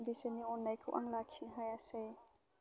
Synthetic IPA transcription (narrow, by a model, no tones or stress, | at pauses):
nbiseniɔnːajkʰṵʔaŋlakʰsinɦajase